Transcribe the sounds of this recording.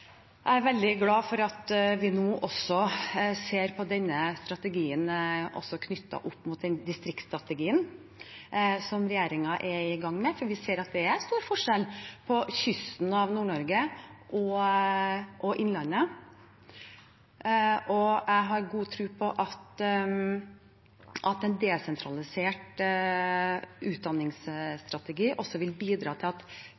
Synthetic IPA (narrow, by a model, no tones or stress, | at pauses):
ʔæɪæɾʋɛld̪ɪɡlɑːfɔɾɑt̪ʋɪnoːʔɔsɔseːɾpʰɔd̪ɛnːəst̪ɾɑt̪əɡiːənʔɔ̰sːɔkʰnʏt̪ːɑ̰ʔʊpːmʊt̪̚d̪ɛnd̪ɪst̪ɾɪk̚t̪st̪ɾɑt̪əɡiːən | sɔmɾɛjeːɾɪŋɑʔɛɪɡɑŋːmɛfɔɾʋɪseːɾɑt̪̚d̪ɛæst̪uːɾfɔʂɛlpʰɔçʏst̪n̩ɑʋnuːɳɔɾɡəʔɔ | ʔɔʔɪnlɑnːə | ʔɔæɪɦɑɾɡuːt̪ʰɾʉːpʰɔʔɑt̪ | ʔɑt̪ɛnd̪ɛːsɛnt̪ʰɾɑlɪseːʈ | ʉːt̪̚d̪ɑnːɪŋsst̪ɾɑt̪ɛɡiːʔɔsːɔʋɪlbiːd̪ɾɑːt̪ʰɪlɑt̪